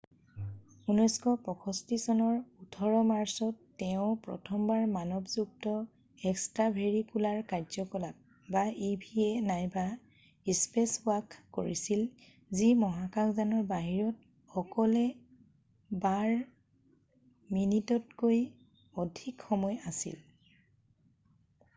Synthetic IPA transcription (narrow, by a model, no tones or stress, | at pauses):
unɔjskɔpɹɔkʰɔstisɔnɔɹutʰɔɹɔmaɹsɔtːɛʊ̃pɹɔ̰tʰɔmbaɹmanɔbzuk̚tɔ | ɛkstɹabʱeɹikulaɹkaɹzɔkɔlap̚ | baibʱiɛnajba | ispesʊakʰːo̰ɹisil | zimɔɦakakzanɔɹbaɦiɹɔt | xɔkɔlɛ | baɹ | minitɔt̚koj | ɔdʱikxɔmɔjasḭl